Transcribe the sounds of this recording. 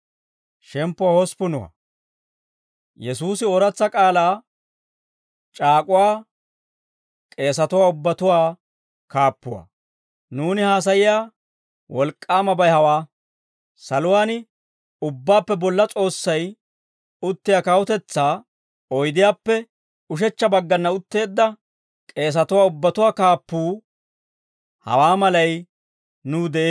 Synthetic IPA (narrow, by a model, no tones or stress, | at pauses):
ʃɛmpːʊwaːhɔspʊnʊwa̰ | jɛsuːsɪɔɾɐt͡sːɐkʼaːlaː | t͡ʃʼaːkʼʊwaː | kʼe̞ːs̬ɐt̪ʊwaːʊbːɐt̪ʊwaː | kaːpːʊwa̰ː | nuːnɪhaːs̬ɐjɪjaː | wɔlkʼːaːmɐbɐjhɐwaː | sɐlʊwaːnɪ | ʊbːaːpːɛbɔlːɐt͡sʼo̞ːsːɐj | ʊt̪ːɪjaːkɐwɔt̪ɛt͡sːaː | ɔjd̪ɪjaːpːɛ | ʊʃ̬ɛt͡ʃːɐbɐɡːɐnːɐʊt̪ːe̞ːd̪ːɐ | kʼe̞ːs̬ɐt̪ʊwaːʊbːɐt̪ʊwaːkaːpːuː | hɐ̰waːmɐlɐj | nʊːd̪ɛʔeː